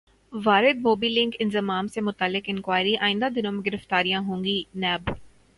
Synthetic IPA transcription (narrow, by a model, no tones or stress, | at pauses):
ʋaːɾɪd̪moːbiːlɪ̃ŋkɪ̃nzɪmaːmsemʊt̪əlːɪkɪ̃nkʋaːɪɾiʔaːɪ̃nd̪ad̪ɪnõmẽɡɪɾəft̪aːɾijãɦõːŋɡinɛːb